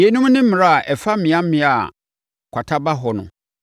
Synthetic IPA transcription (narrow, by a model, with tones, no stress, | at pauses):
e˨˦nũ˦m˦nɪ̃˦m̩˦mɪ̃˨ɾa˦˨ʔɛ˨fa˦m̩˦mɪ̃˨˦ã˦m̩˦mɪ̃˦a˨ | kʷʰa˨tʰa˦ba˦ɦɔ˨nʊ̰̃˨